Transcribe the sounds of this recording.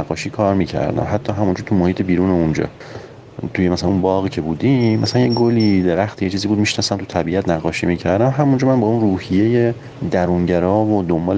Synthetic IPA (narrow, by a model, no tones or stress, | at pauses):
æɡːɒːʃiːkʰɒːɾmiːcʰæ̰ɾd̪æ̰mɦæt̪ʰːɒːɦæmund͡ʒɒːt̪ʰumohiːt̪ʰebiːɾuːnound͡ʒɒ̰ː | t̪ʰujemæsælænunbɒːɣiːcʰe̞buːd̪immːæsælænjeɡoliːd̪e̞ɾæxt̪ijet͡ʃʰiːziːbuːd̪̚miʃnɒːsæmt̪ʰut̪ʰæbiːʔæt̪næɣːɒːʃiːmiːcʰæɾd̪æmɦæmund͡ʒɒːmænbɒːunruːhijeje | d̪æɾuːnɟæɾɒːvod̪ombɒːl